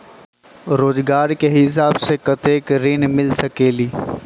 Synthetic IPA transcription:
ɾoːzɡaːɾkeɦɪs̬aːbsekɐt̪eːkɾɪnmɪlsɐkeːliː

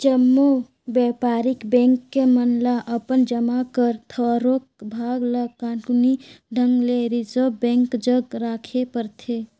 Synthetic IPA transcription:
t͡ʃəmːu | bɛpaːɾikbɛ̃ŋkːemənlaʔəpənd͡ʒəmakəɾt̪ʰəɾok̚bʱaɡləɡkãʈuniɖʱəŋɡleɾid͡ʒəbbɛ̃ŋkd͡ʒəɡɾaːkʰepəɾt̪ʰe

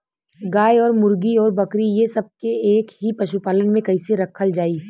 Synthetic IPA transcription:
ɡaːjɔːɾmʊɾɡiɔːɾbɐkɾijesɐb̚keeːkɦipɐʃupaːlənmẽkɐɪseɾɐkʰəld͡ʒaːiː

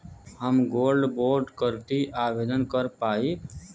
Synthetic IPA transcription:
ɦəmɡoːlɖboːɾɖkəɾt̪iːʔaːʋeːd̪ʱənkəɾpaːiː

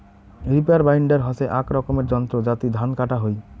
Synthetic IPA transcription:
ɾipeaɾbajɳɖeɾɦɔseʔakɾɔkomeɾd͡ʑɔnt̪ɾod͡ʑat̪id̪ʱankaʈaɦoj

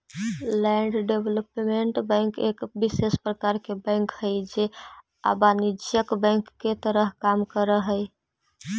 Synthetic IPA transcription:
lɛɳɖɖebʱləpmeɳʈbə̃ɪŋkekbisespɾəkaɾkebə̃ŋkhəjd͡ʒe | a̰banid͡ʒjəkbə̃ŋkːet̪əɾəɦkamkəɾəɦəj

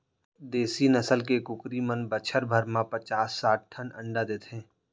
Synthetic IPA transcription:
d̪eːsinəsəlkekʊkɾimənbət͡ʃʰəɾbʱəɾmãpət͡ʃaːsːaːʈ̚ʰʈʰːənə̰̃ɳɖad̪eːt̪ẽː

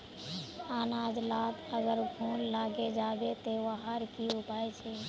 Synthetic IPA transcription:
aːnad͡ʒlaːkəɡəɾkʰoːnlaːɡed͡ʒabet̪ewaɦaɾkiupaːɛt͡ʃʰɛ

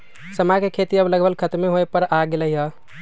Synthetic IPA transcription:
səmakekʰet̪iəbləɡbəlkʰət̪meɦoepəɾaɡeləɦiɦə

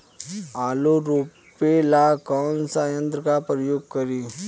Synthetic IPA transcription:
aːloɾuː | pelakɔːnsaːjə̃nt̪ɾəkapɾəjoːɡ̚kəɾiː

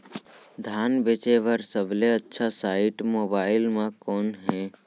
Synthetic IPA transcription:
d̪ʱaːnbeːt͡ʃeʋəɾsəbleətːʃʰasaːɪʈmoːbaːɪlmãkɔːnɦɛ̃ː

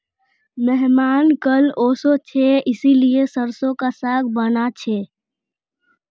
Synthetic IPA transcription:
mɛɦmaːnkəloːsot͡ʃʰeɪsiliesəɾsõkasaːɡbənat͡ʃʰe

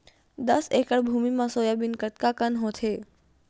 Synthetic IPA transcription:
d̪əsekəɭbʱumimãsojabɪnkət̪̚kakənɦõt̪ʰe

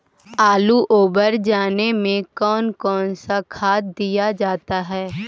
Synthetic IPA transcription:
aːluʔoːbəɾd͡ʒaːnemẽkɔːnkɔːnsakʰaːt̪̚d̪ijad͡ʒaːt̪aɦɛː

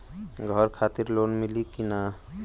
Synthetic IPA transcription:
ɡʱɔɾkʰaːt̪ɪɾloːnmɪlikina

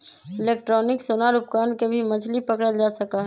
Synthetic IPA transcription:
ɪleːkʈɾɔːnɪksonaɾʊp̚kaːnkebʱimɐd͡ʒʰlipəkɽəld͡ʒaːsəkaɦɛ

